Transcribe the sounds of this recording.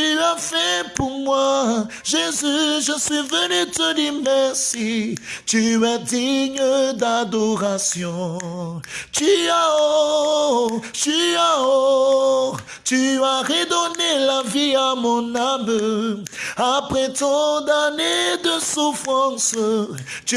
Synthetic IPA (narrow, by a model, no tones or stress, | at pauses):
tafɛpuʁmwa | ʒezyʒəsɥivənyt̪ədimɛʁsit̪yɛd̪iɲəd̪ad̪ɔʁasjɔ̃ | t̪yaɔ | tyao | t̪yaʁed̪ɔnelaviamɔ̃nabə | apʁɛt̪ɔ̃d̪aned̪əsufʁɑ̃sə | t̪